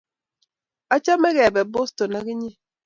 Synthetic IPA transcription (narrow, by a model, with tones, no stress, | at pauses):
a˦t͡ʃa˦mɛ˦ɣɛ˨bɛ˨bo˦sto˨na˦ɡɪ˦ɲi˦